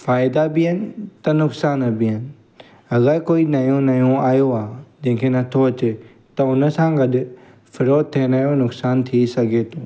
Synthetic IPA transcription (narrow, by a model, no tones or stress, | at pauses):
faːɪd̪abɪɦənɪ̆t̪ɐnʊksaːnəbɪɦənɪ̆ | ɐɣəɾkoːinɐjũnɐjũaːjoaːd͡ʑẽːkʰenɐt̪ʰoɐt͡ɕe | t̪ɐʊnə̆sãɡɐɗʊ̆ | fɪɾoːd̪̚t̪ʰeːnaːjonʊksaːnt̪ʰisɐɡʱeːt̪õː